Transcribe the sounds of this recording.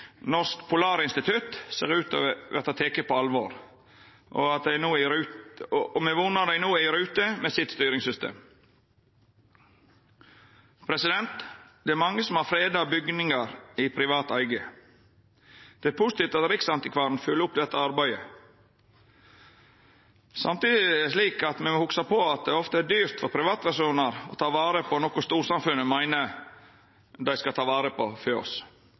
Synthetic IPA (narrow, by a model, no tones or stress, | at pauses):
nɔskpʰʊlɑːɾəɪnst̪ɪt̪ʰʉt̪sḛːʁʉːt̪ɔ̰ʋæʁt̪ɑt̪ʰeːkəpʰɔɑlʋoːɾ | ʔɔ̰ɑt̪̚d̪æɪnuːæɾʉː | mɛʋunɑd̪æɪnuːæɪɾʉːt̪əmeːsɪt̪st̪yːɾɪŋsʏst̪ʰḛːm | pʰɾɛsɪd̪ɛnt̪d̪̥ɛæɾmɑŋːəsɔm̩hɑːfɾeːd̪ɑbʏɡnɪŋɑɾipʰɾɪʋɑːt̪æɪɡə | d̪̥ɛæːɾpʰʊːsɪt̪ɪːft̪ɑt̪ɾɪksɑnt̪ɪkʰʋɑːɾn̩fʉlːəʊpd̪ɛt̪ːəɑɾbæɪə | sɑmt̪iːd̪ɪʂliːkɑt̪mɛmohʊksɑpʰoɑt̪̚d̪ɛɔft̪əæɖyːɾt̪fɔɾpʰɾɪʋɑːt̪pæɾʂuːnɑɾɔ̰ːt̪ʰɑːʋɑːɾəpʰɔnɔkʊst̪uːɾsɑmfʉnːəmæɪnə | d̪æɪskɑt̪ʰɑːʋɑːɾəpʰɔføːɔ̰s